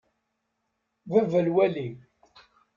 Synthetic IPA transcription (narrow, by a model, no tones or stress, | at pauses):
vævælwæli